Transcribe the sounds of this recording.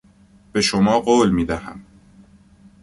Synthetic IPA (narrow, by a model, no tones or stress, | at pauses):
b̥e̞ʃomɒːɢoːlmiːd̪æhæ̰m